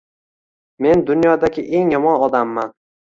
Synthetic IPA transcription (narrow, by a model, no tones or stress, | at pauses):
me̞nd̪ʊnjɒd̪aɡʲɪʔe̞ŋjɒmɒnɒd̪amːan